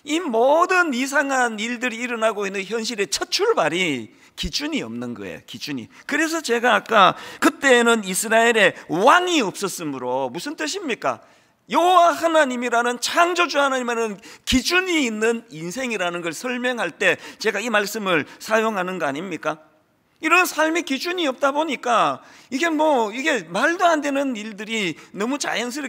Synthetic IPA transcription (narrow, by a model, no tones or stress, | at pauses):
imodɯnis̬ʰaŋɦaniɭdɯɾiːɾʌnaɡoinːɯnçjʌnɕ̬ʰiɾe̞t͡ɕʰʌt͡ɕʰuɭbaɾi | kid͡ʑuɲiʌ̰mnɯnɡʌ̰ḛjo̰kid͡ʑuɲḭ | kɯɾe̞s̬ʰʌt͡ɕe̞ɡaːk͈akɯt͈e̞ːnɯnisʰɯɾaeɾe̞waŋiʌp̚s͈ʌs͈ɯmɯɾomusʰɯnt͈ɯɕ̬ʰimɲik͈a̰ | jʌɦowahanaɲimiɾanɯnt͡ɕʰaŋd͡ʑod͡ʑuhanaɲimanɯnkid͡ʑuɲiːnːɯninsʰe̞ŋiɾanɯnɡʌɭsʰʌɭmjʌŋɦaɭt͈e̞t͡ɕe̞ɡaimaɭs͈ɯmɯɭsʰajoŋɦanɯnɡʌaɲimɲik͈a | iɾʌnsʰaɭmikid͡ʑuɲiʌp̚t͈aboɲik͈aiɡe̞mwʌiɡe̞maɭdoɦandwenɯniɭdɯɾinʌmut͡ɕa̰jʌns̬ʰɯɾ